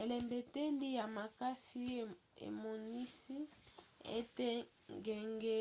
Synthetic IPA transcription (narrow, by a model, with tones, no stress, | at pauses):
e˨le˨mbe˨te˦li˦ja˨ma˨ka˦si˦ | ḛ˨mo˨ni˦si˦ḛ˦te˦ | ŋɡɛ˨ŋɡɛ˦